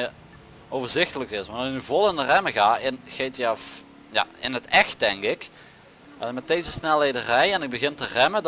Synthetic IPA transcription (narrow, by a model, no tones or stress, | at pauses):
owvəɹzɪxtələkɪsʋɑntɑnɪk̚nyvolˠɪndərɛməɣaːɪnɣejtjɑf | ja̰ːɪnətɛxt̚d̥ɛŋkɪk | ɛmɛt̚d̥ejzəsnɛlˠejdərɛjɛnɪɡ̚bəɣɪntərɛmə